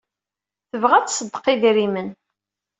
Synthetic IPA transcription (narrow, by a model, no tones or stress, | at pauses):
θəvʁæt͡ssəd̪ːə̥qiðiɾimən